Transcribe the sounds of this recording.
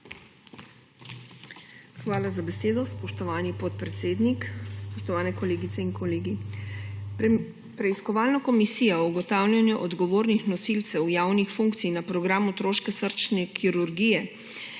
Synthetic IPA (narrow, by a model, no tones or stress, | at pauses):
xʋaːlazabɛseːd̪ɔspɔʃt̪ɔʋaːnipɔt̪̚pɾɛt̪seːd̪nikspɔʃt̪ɔʋaːnɛkɔleːɡit̪sɛiŋkɔleːɡi | pɾɛiskɔʋaːlnakɔmisijauɡɔt̪aːwlʲjanjuʔɔd̪ɡɔʋoːɾnixnɔsilt̪sɛwjaːwnixfuŋkt̪sijnapɾɔɡɾaːmut̪ɾoːʃkɛsəɾt͡ʃnɛkʰiɾuɾɡiːjɛ